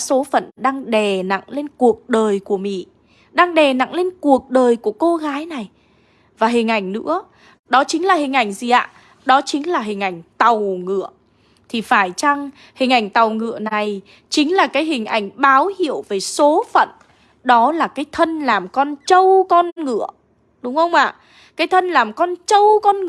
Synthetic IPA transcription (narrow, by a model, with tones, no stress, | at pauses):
so˨˦fə̰˧˨nɗaː˧ŋɗɛ˨˩na̰˧˨ŋle˧nku˨˩ək̚ɗəː˨˩jku˧˩əmḭ˧˨ | ɗaː˧ŋɗɛ˨˩na̰˧˨ŋle˧nku˨˩ək̚ɗəː˨˩jku˧˩əko˧ɣaː˨˦jna˨˩j | vaː˨˩ɦï˨˩ŋ̟ʔa˧˩jŋ̟nɨ̰˧˥ə | ɗɔ˨˦t͡ɕï˨˦ŋ̟laː˨˩hï˨˩ŋ̟ʔa˧˩jŋ̟zi˨˩ʔa̰ː˧˨ | ɗɔ˨˦t͡ɕï˨˦ŋ̟laː˨˩ɦï˨˩ŋ̟ʔa˧˩jŋ̟t̪a˨˩wŋɨ̰˧˨ə | t̪ʰi˨˩faː˧˩jt͡ɕa˧ŋ | hï˨˩ŋ̟ʔa˧˩jŋ̟t̪a˨˩wŋɨ̰˧˨əna˨˩j | t͡ɕï˨˦ŋ̟laː˨˩kaː˨˦jɦï˨˩ŋ̟ʔa˧˩jŋ̟ɓaː˨˦whḭ˧˨əwve˨˩so˨˦fə̰˧˨n | ɗɔ˨˦laː˨˩kaː˨˦jt̪ʰə˧nlaː˨˩mkɔ˧nt͡ɕə˧wkɔ˧nŋɨ̰˧˨ə | ɗʊ˨˦ŋ͡mhə˧wŋ͡mʔa̰ː˧˨ | kaː˨˦jt̪ʰə˧nlaː˨˩mkɔ˧nt͡ɕə˧wkɔ˧n˧˨